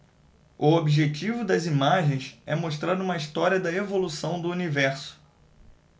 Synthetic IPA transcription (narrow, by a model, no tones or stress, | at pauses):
ʊobiʒet͡ʃivʊd̪ɐzimaʒẽj̃sɛmoʃt̪ɾaɾũmɐist̪ɔɾiɐd̪ɐevolusɐ̃w̃d̪ʊunivɛɾsʊ̥